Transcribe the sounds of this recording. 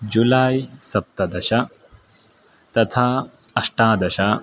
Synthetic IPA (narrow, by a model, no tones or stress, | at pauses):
d͡ʒulaːjisɐp̚t̪ɐd̪ɐʃɐ | t̪ɐt̪ʰaːɐʂʈaːd̪ɐʃɐ